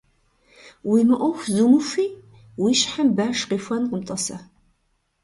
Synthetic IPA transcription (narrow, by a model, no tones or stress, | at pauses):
wiməʔʊxʷzunufi | wiʃħəmbaːʃqifʷɐnqəmt̪ʼˤɑsɐ